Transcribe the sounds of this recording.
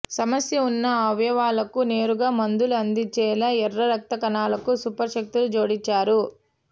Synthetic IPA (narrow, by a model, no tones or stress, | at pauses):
sɐmɐsjɐunːɐɐʋjɐʋaːlɐkune̞ːɾuɡaːmɐnd̪uluɐnd̪it͡ʃɛːlɐɛrːɐɾɐk̚t̪ɐkɐnaːlɐkusupɐɾʃɐk̚t̪ulud͡ʒo̞ːɽit͡ʃaːɾu